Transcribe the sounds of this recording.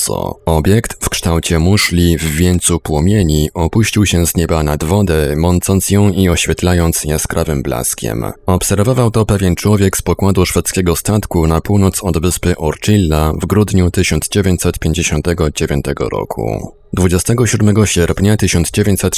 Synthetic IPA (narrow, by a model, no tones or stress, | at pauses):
sɔ̰ɔbʲjɛkt̪fkʂt̪awt͡ɕɛmuʂlʲivːʲjɛnt̪supwɔmʲjeɲiʔɔpuɕt͡ɕiwɕɛzɲɛbanad̪vɔd̪ɛmɔnt̪sɔnt̪sjɔ̃w̃iɔɕfʲɛt̪lajɔnt̪sjɛskɾʔavɘmbla̰skʲɛ̰mɔpsɛɾvɔvawt̪ɔpɛvʲjɛnt͡ʂwɔvʲjɛkspɔkwad̪uʂfɛt̪skʲɛɡɔst̪at̪kunapuwnɔt̪sɔd̪vɘspɘʔɔɾt͡ʂilːavɡɾud̪ɲut̪ɘɕɔnd̪zd͡ʑevʲjeɲt͡ɕʲsɛt̪pʲjeɲd͡ʑeɕɔnt̪ɛɡɔd͡ʑevʲjɔ̰nt̪ɛɡɔ̰ɾɔ̰kʰṵ | d̪vud͡ʑɛst̪ɛɡɔɕud̪mɛɡɔɕɛɾpɲat̪ɘɕɔnd̪zd͡ʑevʲeɲt͡ɕsɛt̪